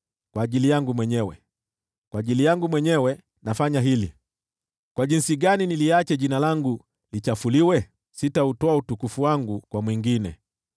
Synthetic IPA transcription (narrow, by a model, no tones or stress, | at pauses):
kwaːʄilijaŋɡumwɛɲɛwɛ̰ | kwaːʄilijaŋɡumwɛɲɛwɛ | nafaɲaɦili | kwaʄinsiɡaniniliat͡ʃɛʄinalaŋɡu | lit͡ʃafuliwɛ | sitautɔautukufuwaŋɡukwamwiŋɡinɛ̰